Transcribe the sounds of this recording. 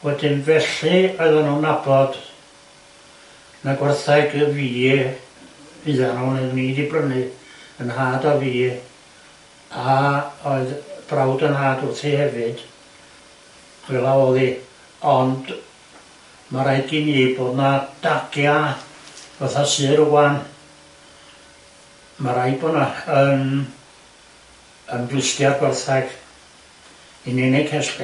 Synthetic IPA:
wɛdɪnvɛɬiɔɨðanunːabɔd̥ | naɡwɛrθajɡəviː | ɨðanuːnniːdibrənɨ | ənhaːdaviː | aoɨðb̥rawdənhaːdʊrθihɛvɨd̥ | ɛlˠaoːðˠi | ɔnd | maɾajɡinejbodnad̥aɡ̥ja | vaθasɨːɾuwan | maɾajbɔnaən | ənvwɪstjarɡwɛrθaɡ̥ | inɛnɛkʰɛs

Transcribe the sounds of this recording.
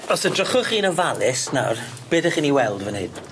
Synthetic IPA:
ɔsədrɔχʊχiːnəvalˠɪsna̰r | b̥eːdəχiːniwɛlˠdvənɪ̰d̥

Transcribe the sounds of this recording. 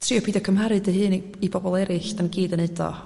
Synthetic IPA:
tʰriːɔpʰiːdɔkʰəmhaɾɨdəhɨːn | ibɔbɔlˠɛɾɨɬd̥anɡiːdənedɔ̰

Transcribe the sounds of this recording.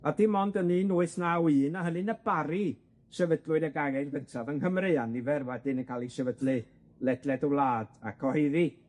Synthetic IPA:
adimɔndəninuːɨθnawiːnaɦənɨnəb̥aɾi | ʃɛvədlˠʊɨdəɡaɣɛnvəntʰavənkəmreːanːivɛrwɛdɪnənkʰalˠiʃɛvədlɨ | lɛdlɛdəwlˠaːd̥a̰kʰɔheði

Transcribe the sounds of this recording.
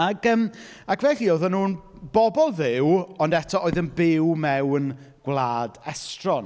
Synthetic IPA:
aɡəːm | akʰvɛɬioðɔnuːn | bɔbɔlˠðɪwɔndɛtʰɔʔoːɨðənbɪwmɛwn | ɡ̥wlˠaːdɛstrɔn

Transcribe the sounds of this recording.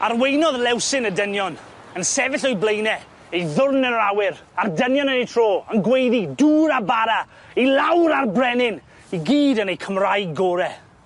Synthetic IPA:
arwejnɔðlˠɛwsɪnədənjɔn | ənsɛvɪɬɔjblejnɛ | ejðʊrnənrawɪɾardənjɔnənejtʰr̥oːənɡwejðiduːɾabaɾa | ilˠawɾarbrɛnɪn | iɡiːdənejkʰəmrajɡoːɾɛ

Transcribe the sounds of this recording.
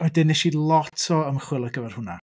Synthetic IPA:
ɔɛdɪnɛʃilˠɔtʰɔəmχwɪlˠəɡ̥əvɛr̥hʊna

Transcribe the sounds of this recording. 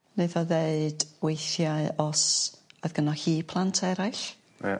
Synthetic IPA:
neðɔðeɨd̥wejθjaɨɔsɔðɡ̥ənɔhiːpʰlˠantʰɛɾaɨɬ | a̰

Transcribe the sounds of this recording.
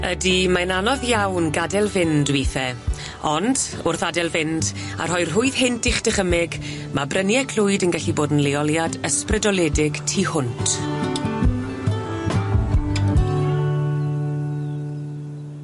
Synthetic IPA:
ədimananɔðjawnɡadɛlˠvɪndwiθɛ | ɔnd | ʊrθadɛlˠvɪnd | a̰r̥hɔɨr̥ɦʊɨð̥hɪntʰɪχd̥ɪχəmɪɡ | mabrənjɛkʰlʊɨdənɡaɬiboːdn̩leɔlˠjadəsprɪdɔlˠɛdɪɡ̥tʰihʊntʰ

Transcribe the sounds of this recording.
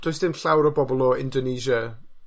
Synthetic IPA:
d̥ojsðɪmɬawɾəbɔbɔlˠɔɪ̰ndɔneːʒa

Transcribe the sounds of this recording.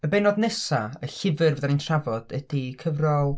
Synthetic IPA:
əbejnɔdnɛsaəɬɪvɨrvəðanintʰravɔd̥ɛd̥ikʰəvrɔlˠ

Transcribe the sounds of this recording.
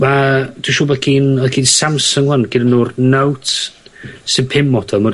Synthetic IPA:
mad̥uʃuːbɛkʰinɔkʰiːnsamsɔŋwanɡ̥ɪdənuːrnawt | sɪnpʰɪmɔtʰɔlˠmɔ

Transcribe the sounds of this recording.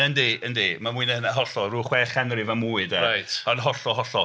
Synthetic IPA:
əndeəndemamuiɨnəhənaɦɔɬɔruːχwɛχɛnrɪvamuːɨdɛɾajtʰɔndɦɔɬɔɦɔɬɔ

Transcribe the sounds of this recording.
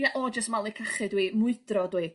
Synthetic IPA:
aʔɔd͡ʒəstmalˠikʰaχɨdwiːmʊɨd̥rɔdwiː

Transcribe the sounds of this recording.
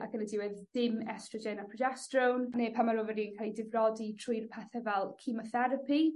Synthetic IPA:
ʔakʰənədɪwɛðdɪmɛstrɔd͡ʒɛnapʰrɔd͡ʒɛstrownnepʰamaɾʊvəɾinkʰalˠidɪvrɔditʰrʊjrpʰaθɛvɛlˠkʰɪmɔθɛɾəpʰi

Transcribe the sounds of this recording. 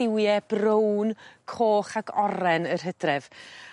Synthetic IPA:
ɪwjɛb̥rownkʰoːχaɡɔɾɛnərɦədrɛv̥

